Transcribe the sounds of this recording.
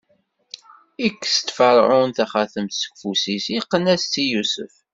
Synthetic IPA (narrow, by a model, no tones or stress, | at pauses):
ikːst̪fəɾˤʕʊnθæχæθəmt̪sə̥kfusisiqːənæst͡sːijusə̰f